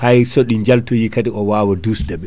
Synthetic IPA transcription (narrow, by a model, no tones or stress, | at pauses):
hajsoɗiɲd͡ʒaltɔjikatiʔɔwaːwɔdusdɛɓɛ